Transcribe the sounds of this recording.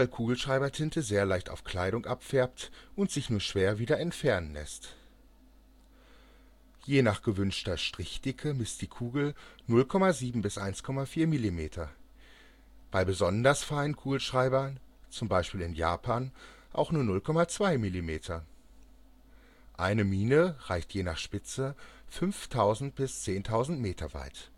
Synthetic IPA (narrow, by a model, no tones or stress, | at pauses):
vaɪlkʰuːɡl̩ʃʁ̥aɪbɐtʰɪntʰəzeːɐlaɪçta̰ʊfkl̥aɪɾʊŋʔapfɛɐp̚tʔʊntz̥ɪçnuːɐʃv̥eːɐviːdɐɛntfɛɐnənlɛ̰st | jeːnaːχɡ̥əvʏnʃtɐʃtʁ̥ɪçd̥ɪkʰəmɪst̚d̥iːkʰuːɡl̩nʊlkʰɔmaziːbm̩bɪsʔaɪnskʰɔmafiːɐmilimeːtʰɐ | b̥aɪbəzɔndɐsfaɪnənkʰuːɡl̩ʃʁ̥aɪbɐnt͡sʊmbaɪʃpiːlɪnja̰ːpʰaːn | ʔa̰ʊxnuːɐnʊlkʰɔmat͡sv̥aɪmilimeːtʰɐ | ʔaɪnəmiːnəʁaɪçtjeːnaːχʃpɪt͡səfʏnftʰaʊzn̩t̚b̥ɪst͡seːntʰaʊzn̩tmeːtʰɐva̰ɪt